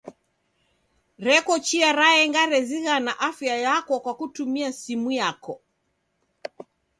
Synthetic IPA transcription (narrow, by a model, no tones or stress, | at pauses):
ɾɛkɔt͡ʃiaɾaɛŋɡaɾɛziɣanaʔafjajakɔkwakutumiasimujakɔ